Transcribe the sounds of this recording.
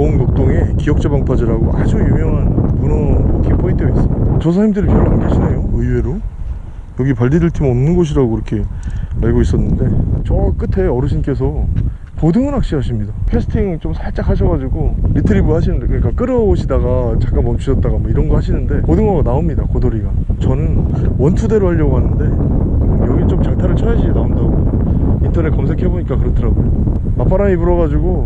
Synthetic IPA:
oŋnok̚t͈oŋekijʌk̚t͡ɕ͈ebaŋpʰad͡ʑiɾaɡoʔad͡ʑujuŋjʌŋɦanmunʌkʰipʰoint͈ʰeais͈ɯmiddat͡ɕʌsʰaimdɯɾipʰjʌmanɯnɡeɕʰinejoɯiwe̞ɾo | jʌɡipaɭdidɯɭtʰimʌmnɯnɡʌɕ̬ʰiɾaɡoiɾʌkʰe̞aɭɡois͈ʌnːɯnde̞t͡ɕʌk͈ɯtʰe̞ʌɾɯɕʰink͈e̞s̬ʰʌ | kodɯŋɯnɦak̚ɕ͈iɦaɕʰimɲidapʰe̞sʰɯ̥tʰiŋt͡ɕomsʰaɭt͡ɕ͈akʰaɕ̬ʰʌɡad͡ʑiɡoɾitʰɯɾibuhaɕʰinɯndekɯɲik͈ak͈ɯɾʌoɕʰidaɡat͡ɕak͈anmʌmt͡ɕʰuɕʰʌt̚t͈aɣamwʌiɾʌnɡʌhaɕʰinɯnde̞kodɯŋaɡanaomɲidakodoɾiɡat͡ɕʌnɯn | wʌntʰude̞ɾoɦaʎːʌɡoɦanɯnde̞ | jʌɡint͡ɕomt͡ɕaŋtʰaɾɯɭt͡ɕʰʌed͡ʑiɡenaondaɡointʰʌnek͈ams̬ʰe̞kʰe̞boɲik͈akɯɾʌtʰɯɾabojo | map͈ʰaɾaɲipuɾʌɣad͡ʑiɡo

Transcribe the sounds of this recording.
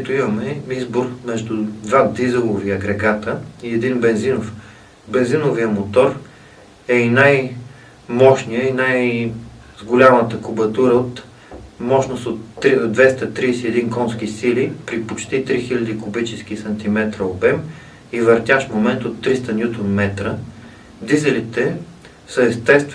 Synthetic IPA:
ɛt̪ʊimɐmɛizboɾmɛʒd̪ud̪vad̪izɛlˠoviɐɡɾɛɡat̪əiɛd̪inbɛnzinof | bɛnzinʊviəmot̪ɔɾ | ɛinaj | mɔʃnijəinaj | zɡolʲamət̪əkʊbɐt̪uɾəot̪ | mɔʃnost̪ot̪ːɾd̪vɛst̪ət̪ɾiːsiɛd̪inkɔnskisilipɾipot͡ʃt̪it̪ɾixilʲɐd̪ikʊbit͡ʃɛsk̟isɐnt̪imɛt̪ɾəobɛm | ivɐɾt̪ʲjaʃfmomɛnt̪ot̪ːɾist̪ənʲjut̪onmɛt̪ɾə | d̪izɛlit̪ɛ | səɛst̪ɛst̪v

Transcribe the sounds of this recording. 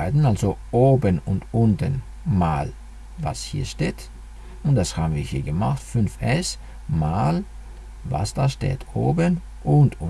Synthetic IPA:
ɪdn̩alzoʔoːbənʊntʔʊntən | maːl | va̰shiːɐʃteːt | ʊnt̚d̥ashaːbn̩viːɐhiːɐɡəma̰χtfʏnfʔɛs | maːl | va̰sd̥aːʃtḛːtʰo̰ːbən | ʔʊntʊ

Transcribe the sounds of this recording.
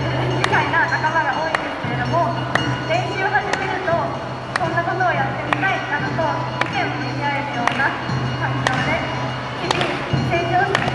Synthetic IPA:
ɯd͡ʑikainanakamaɡaʔo̞ːĩnd̪e̞sɨ̥ke̞ɾe̞d̪o̞mo̞ | d̪ẽ̞ŋkʲoːɡat̪emiɾɯ̟t̪o̞ | sõ̞nːako̞t̪oːjat̪ːe̞mʲit̪aianɯt̪o | ikẽ̞ɰ̃okɯimʲiaeɾɯ̟jo̞ːna | kankod̪e | t͡ɕimʲi | sẽŋkʲoː

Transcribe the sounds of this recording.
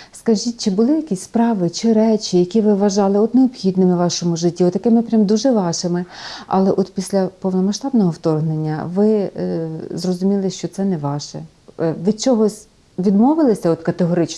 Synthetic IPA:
skɐʒit̚ʲt͡ʃɪbʊlˠɪjɐkʲisʲspɾɑʋɪt͡ʃɪɾɛt͡ʃʲijɐkʲiʋɪʋɐʒɑlˠɪɔt̪neɔbxʲid̪nɪmɪʋɑʃɔmʊʒɪtʲːiɔt̪ːɐkɪmɪpɾʲamd̪uʒɛʋɑʃɪmɪɐ̰lˠɛʔɔt̪pʲisʲlʲɐpɔwnɔmɐʃt̪ɑbnɔɦɔwt̪ɔrɦnenʲːɐ̰ʋɪ | zrɔzʊmʲilˠɪʃt͡ʃɔt̪sɛnɛʋɑʃɛ̰ | ʋʲid̪̚t͡ʃɔɦɔsʲ | ʋʲid̪mɔʋɪlˠɪsʲɐɔt̪kɐt̪eɦɔɾɪt͡ʃ

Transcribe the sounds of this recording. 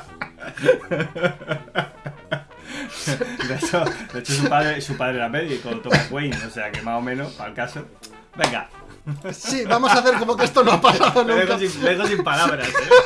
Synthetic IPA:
d̪eet͡ʃod̪eet͡ʃos̬upaðɾesupaðɾelameðjekoot̪oaɣwejnose̞akemaomẽ̞nopalkaso | beŋɡa̰ | siβamossaθeɾkomokeest̪onoapasaðonoeɣosimleɣosimpalaβɾase

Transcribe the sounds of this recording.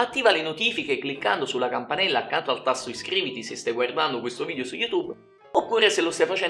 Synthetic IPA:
at̪ːiːvalenot̪iːfikekːlikːa̰nd̪osulːakampanɛlːaːkːant̪oalt̪asːoiskɾiːvit̪isest̪ajɡward̪and̪okwest̪oviːd̪eosujːut̪ub | opːuːɾeselost̪ajfat͡ʃɛ

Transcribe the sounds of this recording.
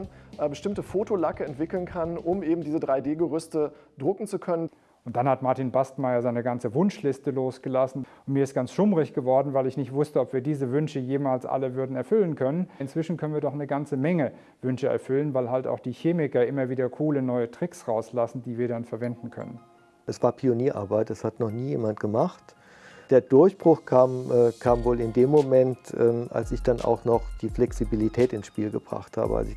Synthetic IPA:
nbəʃtɪmtəfoːtolakəɛntv̥ɪkl̩nkʰanʔʊmʔeːbm̩diːzədʁaɪdeːɡəʁʏstədʁʊkŋ̩t͡sukʰœnən | ʔʊnt̚d̥anhatmaɐtinbastmaɪɐzaɪnəɡant͡səvʊnʃlɪstəloːsɡ̥əlasn̩ʊntmiːɐɪst̚ɡ̥ansʃʊmʁɪçɡ̥əvɔɐdn̩vaɪlɪçnɪçtv̥ʊstəɔpv̥iːɐdiːzəvʏnʃəjeːmaːlsʔa̰ləvʏɐdn̩ɛɐfʏlənkʰœnənɪnt͡sv̥ɪʃn̩kʰœnənviːɐdɔχnəɡant͡səmɛŋə | vʏnʃəɛ̰ɐfʏlənvaɪlɦalta̰ʊxd̥iːçeːmɪkɐʔɪmɐviːdɐkʰuːlənɔʏətʁ̥ɪksʁaʊslasn̩diːviːɐdanfɛɐvɛndn̩kʰœ̰nən | ʔɛsv̥aːɐpʰioniːɐʔa̰ːɐbaɪt̚d̥ashatnɔχniːjḛːmant̚ɡ̥əmaχt | d̥eːɐdʊɐçb̥ʁ̥ʊχkʰaːmʔɛːkʰaːmvoːlɪndeːmːomɛntʔɛːʔa̰lsɪçd̥anʔa̰ʊxnɔχd̥iːflɛksibilitʰɛːtɪnsʃpiːlɡəb̥ʁa̰χtha̰ːbə̰a̰lsɪ

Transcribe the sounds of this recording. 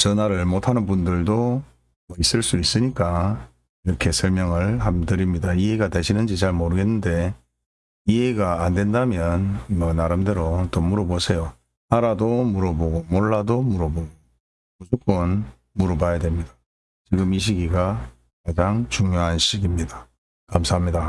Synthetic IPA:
t͡ɕʌnaɾɯɭmotʰanɯnbundɯɭdo | mʌis͈ɯɭs͈uis͈ɯɲik͈a | iɾʌkʰe̞sʰʌɭmjʌŋɯɭhamdɯɾimɲidaieɡateɕʰinɯnd͡ʑit͡ɕaɭmoɾɯɡe̞nːɯnde̞ | ie̞ɡaːndwe̞ndamjʌnimʌnaɾɯmde̞ɾot͈omuɾʌbosʰe̞jo | aɾadomuɾʌboɡomoɭːadomuɾʌboɡo | musʰok͈on | muɾobajadwe̞mɲidḁ | t͡ɕiɡɯmiɕ̬ʰiɡiɡa | kad͡ʑaŋt͡ɕuŋɲjoɦanɕiɡimɲida | kamsʰaɦamɲida

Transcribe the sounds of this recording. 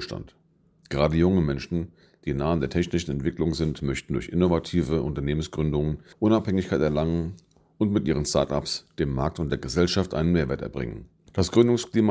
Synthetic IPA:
ʃta̰nt | ɡ̥əʁaːdəjʊŋəmɛnʃn̩ | d̥iːnaːəndeːɐtʰɛçnɪʃn̩ɛntv̥ɪklʊŋzɪntmœçtn̩dʊɐçʔɪnovatʰiːvəʔʊ̰ntɐneːmənsɡ̥ʁʏndʊŋənʔʊnaphɛŋɪçkʰaɪtɛɐlaŋən | ʔʊntmɪtʔiːʁənstʰa̰ɐta̰psd̥eːmːaɐk̚tʊntd̥eːɐɡəzɛlʃaftʔa̰ɪnənmeːɐveːɐtɛ̰ɐbʁɪ̰ŋə̰n | d̥asɡ̥ʁʏndʊŋskl̥iːma

